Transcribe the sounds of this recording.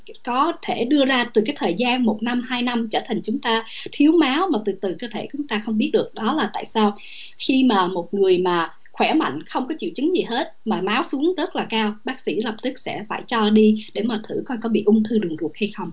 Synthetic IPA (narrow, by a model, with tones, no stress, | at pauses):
kɔ˨˦t̪ʰe˧˩˨ɗɨ˧əzaː˧t̪ɨ˨˩kaː˨˦jt̪ʰəː˨˩jzaː˧nmo˨˩t̚na˧mhaː˧jna˧mt͡ɕəː˧˩t̪ʰa˨˩ŋ̟t͡ɕʊ˨˦ŋ͡mt̪aː˧t̪ʰi˨˦əwmaː˨˦wmaː˨˩t̪ɨ˨˩t̪ɨ˨˩kəː˧t̪ʰe˧˩t͡ɕʊ˨˦ŋ͡mt̪aː˧xə˧wŋ͡mɓi˦˥t̚ɗɨ˨˩ək̚ɗɔ˨˦laː˨˩t̪a̰ː˧˨jsaː˧w | xi˧maː˨˩mo˨˩t̚ŋɨ˨˩əjmaː˨˩ | xwɛ˧˩ma̰˧˨ŋ̟xə˧wŋ͡mkɔ˨˦t͡ɕḭ˧˨wt͡ɕï˨˦ŋ̟zi˨˩ɦe˦˥t̚maː˨˩maː˨˦wsu˨˦əŋzə˦˥t̚laː˨˩kaː˧wɓaː˦˥k̚sḭ˧˥lə˨˩p̚t̪ʰï˦˥k̟̚sɛ̰˧˥faː˧˩jt͡ɕɔ˧ɗi˧ɗe˧˩maː˨˩t̪ʰɨ̰˧˩kɔ˧jkɔ˨˦ɓḭ˧˨ʔʊ˧ŋ͡mt̪ʰɨ˧ɗɨ˨˩əŋzu˨˩ək̚ha˧jxə˧wŋ͡m